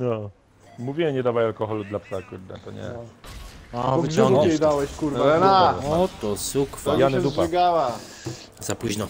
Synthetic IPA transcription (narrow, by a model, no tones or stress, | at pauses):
nɔ | muvʲiɛɲɛd̪avajalkɔxɔlud̪lapsakuɾd̪ɛ̰t̪ɔɲɛ̰ | avɔŋɡɛjd̪awɛɕkuɾɛnaɔt̪ɔsukfɔjanɛdupaɛɡawa | z̥apuʑnɔ